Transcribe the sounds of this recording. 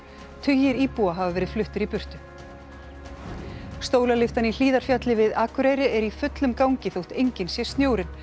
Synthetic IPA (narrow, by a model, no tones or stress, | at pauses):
t̪ʰʏjɪɾipuaɦavavɛːɾɪðflʏht̪ʏɾipʏr̥t̪ʏ | st̪oːwlalɪft̪anil̥iːðaɾ̥fjat̪lɪvɪðaːkʏɾeːjɾɪʔɛɾifʏt̪lʏmkawɲcɪθowht̪ejɲcɪnsjɛst̪njoːwɾɪn